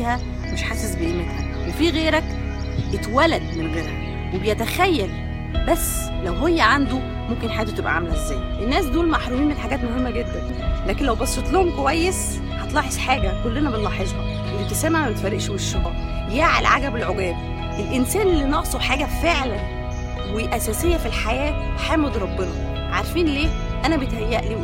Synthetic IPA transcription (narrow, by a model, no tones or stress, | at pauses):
hæ | meʃħasːesbemet̪hæ | wefiːɣeːɾæk | ʔet̪wælæd̪menɣeːɾæ | webejæt̪æxæjːæl | bæsː | læwɦejːæʕand̪o | momkenħaj̪ːwet̪ebʔæ̰ʕamælæʔezːæːjʔenːæːsd̪uːlmaħɾumiːnmenħaɡæːt̪mohemːæɡed̪ːæn | læːkenlæwbæsˤːet̪ˤlohomkowæjːes | hɑt̪ˤlɑħeʃħaːɡækolːenæbet̪lɑħeʒhɑ | wet̪esæmaʕbet̪færˤːeʔʃweʃːɑʔɑ̰ | jæʕḛlʕaɡæbelʕoɡæːb | ʔelʔensæːnelːinɑʔsˤoħaːɡæfeʕlæn | weʔæsæːsejːæfilħajæːħæːmed̪ɾˤɑbːenɑ | ʕaɾˤfiːnleːʔænæbet̪hæjːæʔliː